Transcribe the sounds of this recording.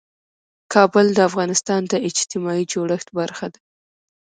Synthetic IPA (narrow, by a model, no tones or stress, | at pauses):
kʰɑbəld̪əafɣɑnɪst̪ɑnd̪əɪd͡ʒt̪ɪmɑid͡ʒoɽəxt̪baɾxad̪ḁ